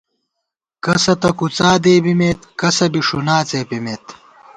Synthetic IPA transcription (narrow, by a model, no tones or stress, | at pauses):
kɐsɐt̪ɐkut͡saːd̪eːbimeːt̪kɐsɐbiʂunaːt͡seːpimeːt̪